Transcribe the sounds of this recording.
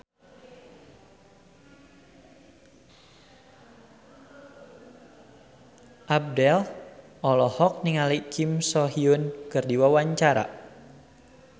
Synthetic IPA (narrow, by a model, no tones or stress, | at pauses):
ʔab̚dɛl | ʔɔlɔhɔk̚niŋalikʰimsɔɦiunkɨrdiwawaɲt͡ʃaɾa̰